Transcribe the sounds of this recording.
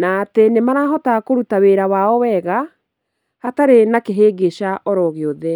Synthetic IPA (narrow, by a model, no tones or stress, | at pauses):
natenemaɾaɦɔtakoɾutaweɾawaɔwɛɣa | hataɾenakeɦeːɡeʃaʔɔɾɔɣeɔðɛ